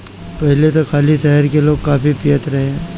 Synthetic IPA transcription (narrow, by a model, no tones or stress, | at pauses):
pɛɦlet̪okʰaːliʃɛɦəɾkeloːɡ̚kaːpipɪjət̪ɾɐɦẽ